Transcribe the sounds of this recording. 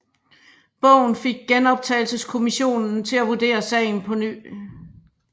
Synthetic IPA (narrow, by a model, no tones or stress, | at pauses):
b̥ɔ̽ʊ̰n̩fe̝ɡ̥̚ɡ̥enɒ̽b̥̚t͡sʰɛɪlsəskʰo̝miɕo̝̰ːnn̩t͡sʰe̝læʋud̥e̝̰ːɐsɛ̰ɪn̩pʰɒ̽ny̰